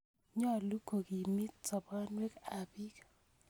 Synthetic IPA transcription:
ɲɔ˦˨lu˦ko˨ɡi˨mi˦t͡sɔ˨ba˦nwɛ˦ka˨bi˦k

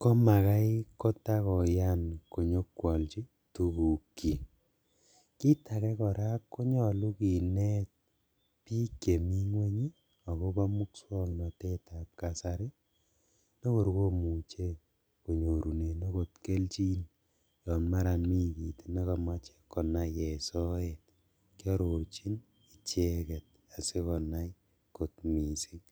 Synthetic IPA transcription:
kɔ˦ma˨ka˦iko˦ta˦kɔ˨ja˦nko˨ɲo˦kwɔ˨lt͡ʃi˦ | tu˨ku˨kːi˨ | ki˦ta˨kɛ˦kɔ˨ɾa˦kko˦ɲɔ˨lu˦ki˨nɛ˦t̚ | pi˦kje˨mi˦ŋwe˦ɲi˦ | a˨ko˦ba˦mu˦kswɔ˦ŋnɔ˨te˦ta˨p̚ka˨sa˨ɾi˦ | ne˦ko˨ɾko˦mu˨t͡ʃe˦ | ko˨ɲo˨ɾu˨ne˨ne˦ko˨tke˦lt͡ʃi˦n | jɔ˨ma˦ɾa˨nmi˦ki˨tne˦kɔ˨ma˦t͡ʃe̥˦kːɔ˨na˨jɛ˨sɔ˦et̚ | kjɔ˦ɾo˨ɾt͡ʃi˦n | i˨t͡ʃe˦kɛ˨t̚ | a˨se˦kɔ˨na˦j | ko˨tmi˨si˦ŋ

